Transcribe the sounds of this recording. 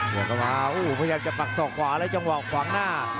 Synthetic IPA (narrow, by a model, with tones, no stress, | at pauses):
jaː˨˩ka˧˩maː˧ʔuː˧˩pʰa˧ja˧jaː˧mt͡ɕa˨˩pa˨˩k̚sɔː˨˩k̚kʰwaː˨˩˦ɾa˦˥t͡ɕa˧ŋwaː˨ɔ˨˩kʰwaː˨˩˦ŋnaː˥˩